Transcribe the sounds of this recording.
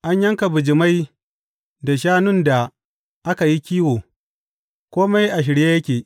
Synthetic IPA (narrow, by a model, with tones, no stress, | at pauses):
ʔa˦ɲjɐ˦ŋka˨bʊ˨d͡ʒɪ˨ma˦j | da˨ʃaː˦nʊ˦nda˨ | ʔa˦ka˨ji˦kʲiː˦woː˨ | kʷoː˦ma˦jʔa˨ʃ̬ɪ˨ɽje˦jɐ˦kʲeː˨